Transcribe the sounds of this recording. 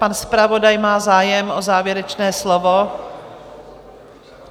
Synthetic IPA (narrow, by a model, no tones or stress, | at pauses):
panspɾavo̞dajmaːzaːjɛmʔozaːvjɛɾɛt͡ʃnɛːslovo